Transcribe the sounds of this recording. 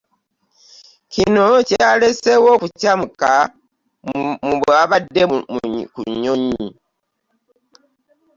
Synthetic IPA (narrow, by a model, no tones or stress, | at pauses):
cinocejalesewokucamuka | muβaβadːekṵɲːoɲi